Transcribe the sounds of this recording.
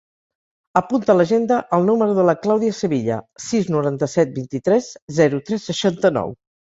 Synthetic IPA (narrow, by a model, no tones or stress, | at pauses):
əpunt̪ələʒend̪əʔəlˠnuməɾuðələklawðiəsəβiʎə̰siznuɾant̪əsɛt̪̚bint̪it̪ɾɛzzɛɾut̪ɾɛsːəʃant̪ənɔ̰w